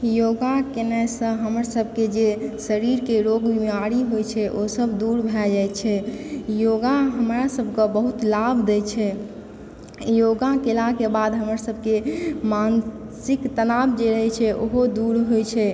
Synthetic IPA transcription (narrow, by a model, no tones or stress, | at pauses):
joɡakenɛjsə̃ɦəməɾsəbʱked͡ʒesəɾiɾkeɾoɡbimaɾiɦojt͡ʃʰɛʔosəbʱd̪uɾbʱɛd͡ʒajt͡ʃʰɛjoɡaɦəmɾasəbʱkə̃bəɦut̪labʱd̪et͡ʃʰɛ | joɡakelakebad̪ɦəməɾsəbʱkemansikt̪ənabd͡ʒeɾəɦɛt͡ʃʰɛʔoɦod̪uɾɦojt͡ʃʰɛ